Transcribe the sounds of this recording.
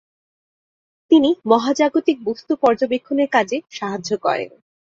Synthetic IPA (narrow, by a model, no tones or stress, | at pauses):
t̪inimɔɦad͡ʑaɡot̪ik̚bost̪upɔɾd͡ʑobekʰːoneɾkad͡ʑeʃaɦad͡ʑokɔ̰ɾḛn